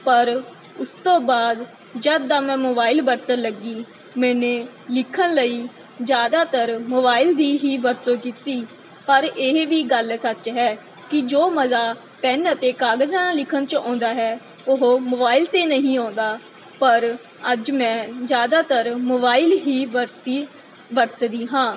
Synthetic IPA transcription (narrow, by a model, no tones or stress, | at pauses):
pəɾ | ʊst̪õːbaːd̪ | d͡ʒəd̪aːmɛ̃ːmoːbaːɪlbəɾt̪əɾləɡiː | mɛ̃ːneː | lɪkʰːənləiː | d͡ʒjaːd̪aːt̪əɾmoːbaːɪld̪iːɦiːʋəɾt̪õːkiːt̪iː | pəɾeɦʋiːɡəlsət͡ʃɦɛː | kɪd͡ʒoːməzaː | pɛnət̪eːkaːɡəzaːnaːlɪkʰənt͡ʃɔ̃ːnd̪aːɦɛː | ʊɦomoːbaːɪlt̪eːnəɦĩːãːnd̪aː | pəɾ | əd͡ʒmɛ̃ːd͡ʒjaːd̪aːt̪əɾmoːbaːɪlɦiːʋəɾt̪iː | ʋəɾt̪d̪iːɦãː